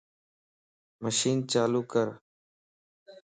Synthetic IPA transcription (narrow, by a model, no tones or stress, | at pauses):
məʃiːnt͡ʃaːluːkəɾ